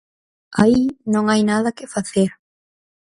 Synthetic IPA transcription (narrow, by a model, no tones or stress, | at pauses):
ainõŋajnaðɐkɪfaθeɾ